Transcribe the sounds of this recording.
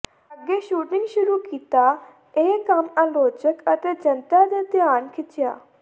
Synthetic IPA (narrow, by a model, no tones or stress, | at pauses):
əɡːeːʃuːʈnɪ̃ŋɡʃʊɾuːkiːt̪aː | eːkəmaːloːd͡ʒəkət̪eːd͡ʒənt̪aːd̪eːd̪jaːnkʰɪt͡ʃɪja̰ː